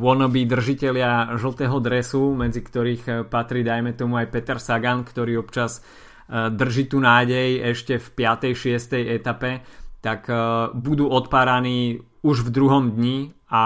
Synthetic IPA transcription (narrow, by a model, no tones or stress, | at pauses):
ʊɔnɔbid̪r̩ʒicɛlɪaʒl̩ˠt̪ɛːɦɔd̪ɾɛsumɛd͡zikt̪ɔɾiːxpat̪ɾiːd̪ajmɛt̪ɔmuajpɛt̪ɛɾsaɡankt̪ɔɾiːɔpt͡ʃaz | d̪r̩ʒiːt̪uːnaːɟɛjɛʃcɛfpɪat̪ɛjʃɪɛst̪ɛjɛt̪apɛt̪akbud̪uːɔt̪paːɾaniː | uʒvd̪ɾuɦɔmd̪ɲia